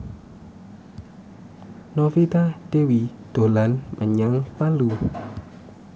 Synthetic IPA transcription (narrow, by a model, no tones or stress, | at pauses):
nɔfit̪ad̥ewid̪̥o̤lanmʔə̰ɲaŋpalu